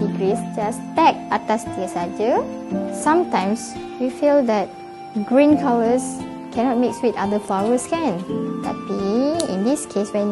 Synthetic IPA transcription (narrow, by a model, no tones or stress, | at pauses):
iɡɹisd͡ʒastɛk̚atastiəsad͡ʒəsãmtãj̃ms | wifildɛt̚ | ɡɹĩnkʰaləs | kʰɛ̃nɔt̚mikswitadəflaɹəskɛ̃nta̰tiḭ̃ndiskʰeswɛ̃n